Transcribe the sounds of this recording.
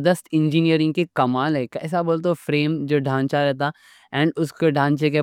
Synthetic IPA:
d̪əst̪ʰɪ̃nd͡ʒiniəɾɪ̃ŋɡkekɐmaːlɦɛkɛ̰ːs̬aboːlt̪ofɾeːmd͡ʒoːɖʱãːnt͡ʃaɾɛɦt̪a | ɛ̃ːɳɖʊskoɖʱãːnt͡ʃek̬e

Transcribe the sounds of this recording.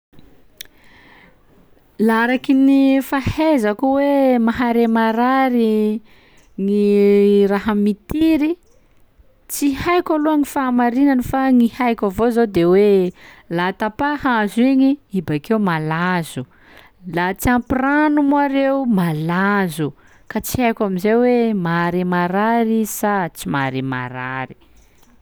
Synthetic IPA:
laɾakinifahezakuwemaɦaɾemaɾaɾi | ŋiraɦamit̪iɾi | t͡sihajkʲaluaŋifaːmaɾinanifaŋihajkʲavozod̪ewe | lat̪apahazuiɲiibakeumalazu | lat͡siampiranumuaɾeumalazu | kat͡si̥hajkʲamizewemaɾimaɾaɾisat͡simaɾima̰ɾa̰ɾi̥

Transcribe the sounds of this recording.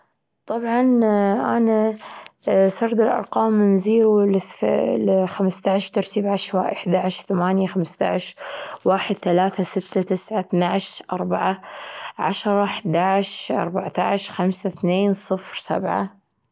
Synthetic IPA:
t̪ˤɑbʕɑnʔa̰na | sɑɾˤd̪ɪlʔɑ̰ɾˤqɑːmnziːɾulfxamst̪aʕʃb̥̚t̪ɑɾˤt̪iːbʕaʃwaːʔɪħd̪aʕɪʃθamaːnjaxamst̪a̰ʕʃwaːħɪd̪θalaːθasɪt̪ːat̪ɪsʕaθnaʕʃʔɑɾˤbaʕaʕa̰ʃɾˤɑħd̪aʕɪʃʔɑ̰ɾˤbaʕt̪aʕɪʃxamsaθneːnsˤɨfɾsa̰bʕa̰

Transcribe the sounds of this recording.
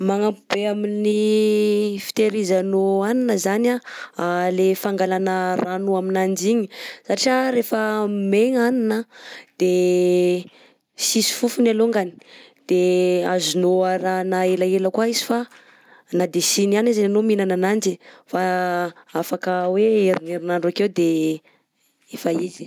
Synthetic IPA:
maŋapubeamini | fi̥t̪eɾizanoaninəzanaalefaŋɡalanəranuaminand͡ʒiɲi̥saʈ͡ʂaɾefəmeŋaninəd̪̥e | sisi̥fufunaloŋɡani̥d̪̥eazinoaɾanaelaeləkwaizi̥fa | nad̪esinianizananominananand͡ʒifa | afakəweeɾineɾinaɳɖ͡ʐakewd̪e | efaizi̥

